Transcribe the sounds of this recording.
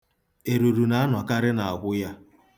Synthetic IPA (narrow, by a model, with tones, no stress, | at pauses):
e˨ɾu˨ɾu˨na˨a˦n˨ɔ˨ka˦ɾɪ˦na˨a˨ɡʷʊ˦ja˦